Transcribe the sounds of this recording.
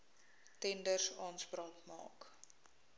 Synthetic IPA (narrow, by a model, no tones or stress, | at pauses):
tɛndərsɑːnsprɑːkmɑ̰ːk